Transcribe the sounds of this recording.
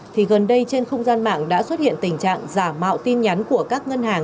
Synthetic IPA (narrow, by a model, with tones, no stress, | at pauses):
t̪ʰi˨˩ɣə˨˩nɗə˧jt͡ɕe˧nxə˧wŋ͡mzaː˧nma̰ː˧˨ŋɗa̰ː˧˥swə˦˥t̚hḭ˧˨ənt̪ï˨˩ŋ̟t͡ɕa̰ː˧˨ŋzaː˧˩ma̰ː˧˨wt̪i˧nɲa˨˦nku˧˩əkaː˦˥k̚ŋə˧nhaː˨˩ŋ